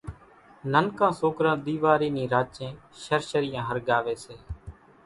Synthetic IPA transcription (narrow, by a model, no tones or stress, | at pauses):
nənkãːsoːkɾãːɗ̪iːʋaːɾiːnĩːɾaːt͡ʃẽːʃəɾʃəɾɪjãːɦəɾɠaːʋeːseː